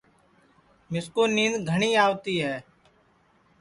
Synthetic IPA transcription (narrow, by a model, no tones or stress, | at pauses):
mɪskuːnĩːnd̪ɡʱəɳiːaːʋt̪iːɦɛː